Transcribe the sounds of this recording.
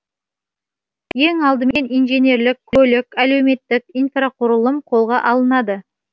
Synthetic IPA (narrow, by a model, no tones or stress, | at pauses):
je̞ŋɑlˠd̪əme̞nijnʒene̞ɾlɪkʲʰːɵlɪkʲæle̞wme̞t̪ːɪkijnfraqʰʊɾəlˠəmqʰo̞lˠʁɑʔɑlˠənɑd̪ə